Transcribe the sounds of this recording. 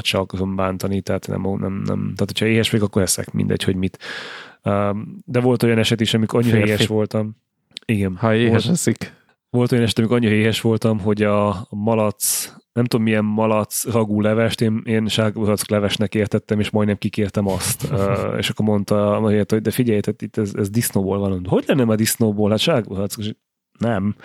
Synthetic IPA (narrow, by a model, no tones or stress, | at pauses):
ʃɛkoɾombaːnt̪ɒnit̪ɛɦat̪nɛ̰monɛ̰mnɛ̰mt̪aːt̪hʰocʰhɒeːɦɛʃɛikɒkːoɾhɛsɛ̰kmḭnd̪ɛ̰cho̞ɟmit̪ | øːd̪ɛvo̞lt̪o̞jɒnɛʃɛt̪iʃɒmikɒɲːiɾɒeːhɛʃʋo̞lt̪ɒm | iɡɛnhɒeːɛʃɛsik | ʋo̞lt̪o̞jɒnɛʃɛt̪ɒmikɒɲːiɾɒeːɦɛʃʋo̞lt̪ɒmɦo̞ɟɒmɒlɒt̪snɛmt̪uomːijɛmmɒlɒt̪srɒɡuːlɛvɛʃt̪eːneːnʃaːɡbɾɒt̪sklɛvɛʃnɛkeːrt̪ɛt̪ːɛmeːʃmɒjd̪nɛmkikeːrt̪ɛmɒst̪ːḛːʃɒkːoɾmo̞nt̪ɒmɛɾiɛt̪hoɟ̚d̪ɛfiɟɛjt̪ɛt̪it̪ːɛzɛzd̪isnoːboːlvɒlond̪ɛɦo̞ɟlɛnːɛmɛd̪isnoːboːlɦat̪ʃaːɡbɾɒt̪skʃ | nɛm